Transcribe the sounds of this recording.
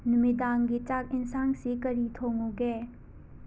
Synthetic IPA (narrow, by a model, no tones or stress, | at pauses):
numidanɡit͡ʃak̚insansikɐɾitʰoŋuɡe